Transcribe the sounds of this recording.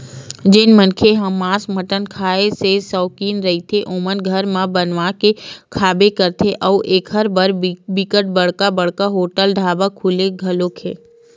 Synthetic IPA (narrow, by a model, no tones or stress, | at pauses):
d͡ʒeːnmənkʰeɦəmːãːsməʈənkʰaːesesɔːkiːnɾəɦit̪ʰeʔomənɡʱəɾmãbənʋakekʰaːbekəɾt̪ʰeʔəuʔeːkʰɦəɾbəɾbɪkəʈ̚bəɽ̤kabəɽ̤kaɦoːʈəlɖʱaːbakʰuleɡʱəlokʰeː